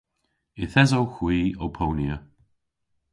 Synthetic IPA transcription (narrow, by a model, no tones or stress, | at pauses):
ɪθɛzowxwiːowpʰownjə